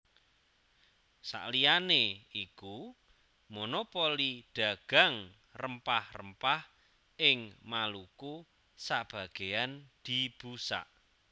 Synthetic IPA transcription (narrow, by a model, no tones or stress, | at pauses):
sa̰ʔlijaneiku | monopoliɖ̥a̤ɡ̥a̤ŋ | rəmpahrə̰mpah | ʔɪŋmaluku | sab̥a̤ɡ̥ejand̪̥i̤b̥usa̰ʔ